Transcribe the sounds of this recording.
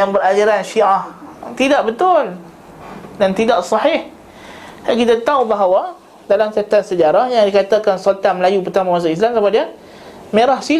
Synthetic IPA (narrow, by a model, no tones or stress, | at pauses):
jaŋbəɾad͡ʒaɾanʃiʔaht̪idaʔbət̪ʊl | dant̪idaʔsɑħɪh | akit̪at̪aubaɦawa | dalamsat̪at̪̚səd͡ʒaɾahjaŋdikat̪akansolt̪anməlajup̬ərt̪amãwas̬aʔis̬lamsabadia | mẽɾahsi